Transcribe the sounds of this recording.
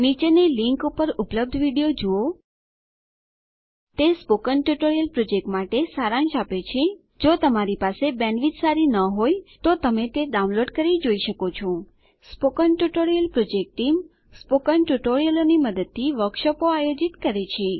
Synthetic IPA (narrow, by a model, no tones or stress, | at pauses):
nit͡ʃeneliŋkupəɾʊpləb̚d̪ʱʋiɽijod͡ʒuo | t̪espokənʈuʈoɾijəlpɾod͡ʒek̚ʈmaʈesaɾãnʃapet͡ʃʰe | d͡ʒot̪əmaɾipasebɛ̃nʋid͡ʒ̪saɾinəɦojt̪ot̪əmet̪eɖaũnloɖkəɾid͡ʒoiʃəkot͡ʃʰõ | spokənʈuʈoɾijəlpɾod͡ʒek̚ʈim | spokənʈuʈoɾijəloniməd̪əd̪̚t̪ʰːiʋəɾkʃəpoajod͡ʒit̪kəɾet͡ʃʰe